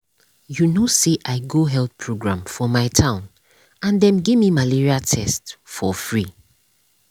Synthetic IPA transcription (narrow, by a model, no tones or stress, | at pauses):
junoseʔaɪɡoɦɛlθpʰɹoɡɹãmfɔmaɪtʰãʊ̃n | ãndɛ̃mɡivmimaliɹiatʰɛstfɔfɹi